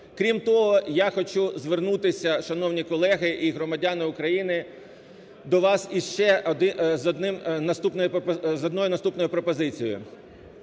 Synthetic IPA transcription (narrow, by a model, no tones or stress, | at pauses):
kɾʲimt̪ɔɦɔjaxɔt͡ʃuzʋernut̪ɪsʲɐʃɐnɔwnʲikɔlˠɛɦɪʔiɦɾɔmɐdʲanɪʊkɾɐjinɪ | d̪ɔʋɑsiʃt͡ʃɛɔd̪ɪzɔd̪nɪmnɐst̪upnɔjʊzɔd̪nɔjʊnɐst̪upnɔjʊpɾɔpɔzɪt͡sʲij̰ʊ̰